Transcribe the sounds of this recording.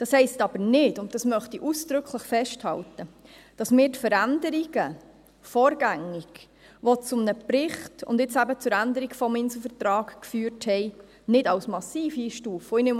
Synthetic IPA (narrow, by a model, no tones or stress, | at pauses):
d̥ɑshɛɪstɑb̥əɾnɪdʊnɑsmœχtiʔusd̥̪ɾɵkχləχfɛʃthɑ̰ltə | d̥ɑsmɪːɾtfəɾændəɾiɡ̥ə | fɔːɾɡæŋːiɡ̥ | ʋɔt͡sʊmnəpɾɪχtʊ̰ndɪt͡sæbət͡sʊɾændəɾiɡfɔmɪnsl̩ˠfəɾtɾɑːkkfyːɾthɛɪ | nɪdɑwsmɑsiːfiːʃtuːfəinʏm